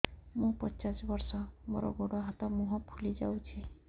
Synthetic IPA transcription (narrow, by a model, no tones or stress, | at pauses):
mũpɔnt͡ʃasbɔɾsɔmo̰ɾɔ̰ɡoɽɔɦat̪ɔmũɦɔpʰulid͡ʒa̰wt͡ʃʰi